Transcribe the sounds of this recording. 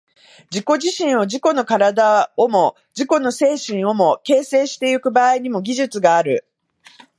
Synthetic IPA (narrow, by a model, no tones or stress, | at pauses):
d͡ʑiko̞ʑiɕĩɰ̃o̞d͡ʑiko̞no̞kaɾad̪aomo̞ | d͡ʑiko̞no̞se̞ːɕĩɰ̃o̞mo̞ke̞ːse̞ːɕi̥t̪e̞ɯkɯ̟baːiɲ̟imo̞ɡʲiʑɨt͡sɨɡaːɾɯ̟